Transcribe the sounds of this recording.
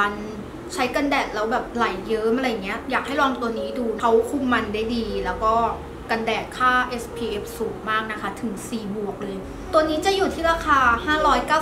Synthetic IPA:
a˧n | t͡ɕʰa˦˥jka˧ndɛː˨˩t̪̚lɛː˦˥wbɛː˨˩p̚la˩˦jːɤː˦˥ma˨˧ɾa˧jːŋːi˦˥ɐjaː˨˩k̚ha˥˩jlɔː˧ŋt̪u˧əniː˦˥duː˧nʰa˦˥wkʰu˧˩mːa˧ndaː˥˩jdiː˧lɛː˦˥wkɔː˥˩ | ka˧ndɛː˨˩t̪̚kʰaː˥˩ʔe˦˥spʰiː˧ʔe˦˥p̚suː˩˦ŋmaː˥˩k̚na˦˥kʰa˦˥t̪ʰɯ˨˩˦ŋsiː˨˩bu˨˩ək̚lɤː˧j | t̪u˧əniː˦˥t͡ɕa˨˩juː˨˩t̪ʰiː˥˩ɾaː˧kʰaː˧haː˥˩ɾɔː˦˥jkaː˥˩

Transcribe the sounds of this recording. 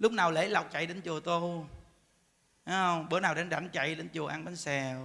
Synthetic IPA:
lʊ˦˥k͡p̚naː˨˩wle˨˦la˨˩wk͡p̚t͡ɕa̰˧˨jɗe˨˦nt͡ɕu˨˩ət̪o˧ | aː˨˦ə˧wŋ͡mɓəː˨˦naː˨˩wɗe˨˦nɗa˧˩˦nt͡ɕa̰˧˨jɗe˨˦nt͡ɕu˨˩əʔa˧ŋɓa˨˧˦nsɛ˨˩w

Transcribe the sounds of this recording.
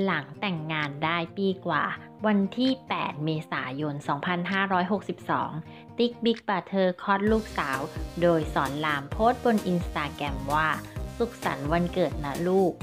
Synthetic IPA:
la˩˦ŋt̪ɛ˨˩ŋːaː˧ndaː˥˩jpiː˧kwa̰ː˨˩ | wa˧nt̪ʰiː˥˩pɛ̰ː˨˩t̪̚meː˧sa̰ː˩˦jo˧nsɔː˩˦ŋpʰa˧nɦaː˥˩ɾɔː˦˥jɦo˨˩k̚si˨˩p̚sɔ̰ː˩˦ŋ | t̪i˦˥k̚bi˦˥k̚pa˨˩t̪ʰɤː˧kʰɔ˦˥t̪̚luː˥˩k̚saː˩˦wdoː˧jsɔː˩˦nlaː˧mpʰoː˦˥˩t̪̚bo˧nʔi˧nst̪aː˧kɾɛ˧mwaː˥˩su˨˩k̚sa̰˩˦nwa˧nkɤː˨˩t̪̚na˦˥luː˥˩k̚

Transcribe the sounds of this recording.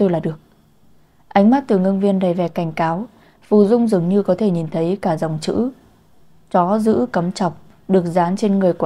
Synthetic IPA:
t̪o˧jlaː˨˩ɗɨ˨˩ək̚ | ʔa˨˦jŋ̟maː˦˥t̚t̪ɨ˨˩ŋə˧nvi˧ənɗa˧˩jvɛ˨˩ka˧˩jŋ̟kaː˨˦w | fṵ˧˩zʊ˧ŋ͡mzɨ˨˩əŋɲɨ˧kɔ˨˦t̪ʰe˧˩ɲi˨˩nt̪ʰə˨˦jkaː˧˩za˨˩wŋ͡mt͡ɕɨ̰˧˥ | t͡ɕɔ˨˦zɨ̰˧˥kə˨˦mt͡ɕɔ˨˩wk͡p̚ | ɗɨ˨˩ək̚zaː˨˦nt͡ɕe˧nŋɨ˨˩əjk

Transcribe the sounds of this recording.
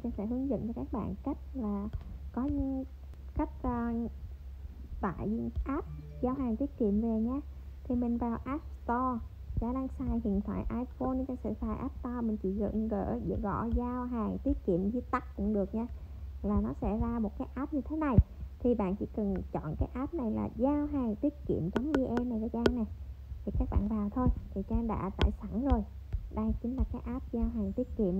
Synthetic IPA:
t͡ɕa˧ŋfɛ̰˧˥ɦɨ˨˦əŋzə̰˧˨ŋt͡ɕɔ˧kaː˦˥k̚ɓa̰ː˧˨nka˦˥jk̚laː˨˩kɔ˨˦ɲɨ˧˥˦ | ka˦˥jk̟̚ː | va̰ː˧˨jzɨ˧ʔaː˦˥p̚ | zaː˧wɦaː˨˩ŋt̪i˦ət̚kḭ˧˨əmve˨˩ɲaː˧ | t̪ʰi˨˩mï˨˩ŋ̟vaː˨˩wʔaː˦˥p̚st̪ɔ˧ | za̰ː˧˥ɗaː˧ŋsaː˧jhḭ˧˨ənt̪ʰa̰ː˧˨jʔaː˧jfo˧nɲɨ˧k̪aː˧˦sɨ̰˧˥fʰaː˨˩jʔaː˦˥p̚t̪ɔ˧mï˨˩ŋ̟t͡ɕḭ˧˩ɣə̰˧˨ɲ˧ɣə̰ː˧˩zɨ̰˧˨ɣɔ̰˧˩zaː˧wɦaː˨˩jt̪wi˦˥ət̚kḭ˧˨əmzi˧t̪a˦˥k̚kʊ̰˧˥ŋ͡mɗɨ˨˩ək̚ɲaː˧ | laː˨˩nɔ˨˦sɛ̰˧˥zaː˧mo˨˩t̚kaː˨˦jʔaː˦˥p̚ɲɨ˧t̪ʰe˨˦na˨˩jt̪ʰi˨˩ɓa̰ː˧˨nt͡ɕḭ˧˥kɨ˨˩nt͡ɕɔ̰˧˨nkaː˨˦jʔaː˦˥p̚na˨˩jla̰ː˨˩zaː˧wɦaː˨˩ŋt̪i˦˥ət̚kḭ˧˨əmt͡ɕɔ˨˦wŋ͡mʔi˧ʔɛ˧mna˨˩jzaː˧˦t͡ɕaː˧ŋna˨˩j | t̪ʰi˨˩kaː˦˥k̚ɓa̰ː˧˨nvaː˨˩wt̪ʰo˧jt̪ʰi˨˩t͡ɕaː˧ŋɗa̰ː˧˥t̪a̰ː˧˨jsa˧˩ŋzo˨˩j | ɗə˧jt͡ɕï˨˦ŋ̟laː˨˩kaː˨˦jʔaː˦˥p̚zaː˧wɦaː˨˩ŋt̪i˦˥ət̚kḭ˧˨əm

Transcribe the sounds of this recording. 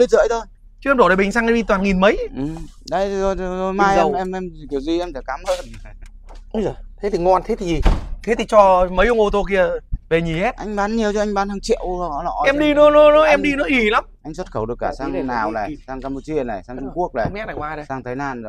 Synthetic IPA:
li˧tzə̰ː˧˨˦jt̪ʰo˧j | t͡ɕɨ˧ɛ˧mɗo˧˩ɗɓï˨˩ŋ̟saː˧ŋʔɛ˧˩ɓi˧˩t̪waː˨˩nŋi˨˩nmə˨˦jʔɨ˨˩m | ɗə˧˦jo˧˩jzo˧˩jmaː˧jzɛ˧˨˩mʔɛ˧mɛ˧m˨˩ki˨˩ə˩wzi˧ʔɛ˧mt̪ʰa˨˧˩kaː˨˦mə˧ | ʔɨ˨˦zo˨˩jt̪ʰe˨˦t̪ʰi˨˩ŋɔ˧˩nt̪ʰe˨˦t̪ʰi˨˩zi˨˩t̪ʰe˨˦t̪ʰi˨˩t͡ɕɔ˧mə˨˦jʔʊ˧ŋ͡mʔo˧t̪o˧ki˧ə˧˩ve˨˩ɲi˨˩hɛ˦˥t̚ʔa˧jŋ̟ɓaː˨˦nɲi˨˩əwt͡ɕɔ˧ʔa˧ŋ̟ɓaː˨˦nhəː˧ŋt͡ɕḭ˧˨əwɔ˨˦lɔ̰˧˥ʔɛ˧mɗi˧nɔ˨˦nɔ˨˦nɔ˨˦ʔɛ˧mɗi˧nɔ˨˦ʔi˧˩la˨˦mʔa˧jŋ̟swə˦˥t̚xə˧˩wɗɨ˨˩kːaː˧˩saː˧ŋ˧naː˨˩wna˨˩saː˧ŋkaː˧mpu˧˩t͡ɕi˧əna˨˩jsaː˧ŋt͡ɕu˧ŋ͡mku˦˥ək̚la˨˧˩ɛ˦˥na˨˩kwaː˧ɗə˨˩saː˧ŋt̪ʰə˨˦jnaː˧˩n˨˩

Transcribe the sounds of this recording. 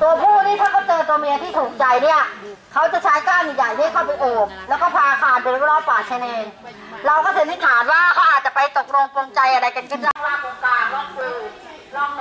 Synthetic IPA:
t̪u˧ɐpʰuː˥˩niː˥˩t̪ʰaː˥˩kɔː˥˩t͡ɕɤː˧nt̪u˧mi˧t̪ʰiː˥˩t̪ʰuː˨˩k̚t͡ɕa˧jni˥˩ɐkʰa˦˥wt͡ɕa˨˩t͡ɕʰa˦˥jkaː˥˩ŋʔi˨˩jaː˨˩jt̪ʰiː˥˩kʰaː˥˩pa˧jʔoː˨˩p̚lɛ˦˥wkɔː˥˩pʰaː˧ʔaː˧kʰaː˧npe˧nɾu˥˩ɾɔː˦˥˩paː˨˩t̪̚t͡ɕʰɛ˧neː˧n | ɾa˧wkɔː˥˩sʰe˨˦ni˦˥˩kʰaː˩˦n̚waː˥˩kɔː˥ʔa˨˩t͡ɕa˨˩pa˧jt̪o˨˩k̚ɾo˧ŋpo˧ŋt͡ɕa˧jʔa˧ɾa˧jka˧nka˥˩t͡ɕa˥˩˧aː˥˩ko˧kaː˧˩ŋlɔ˦˥ɯː˧

